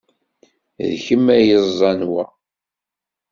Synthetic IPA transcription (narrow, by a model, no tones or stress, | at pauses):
ðçəmːæjəzˤːɑnwæ